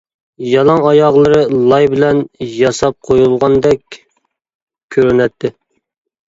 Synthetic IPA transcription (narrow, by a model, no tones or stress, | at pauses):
jɑlˠɑŋɑjɑʁlˠəɾɨlˠɑjbɪlɛnjɑsɑp̚qʰojulˠʁɑnd̪ɛkʲ | kʲʰːøɾynɛt̪ʰːɪ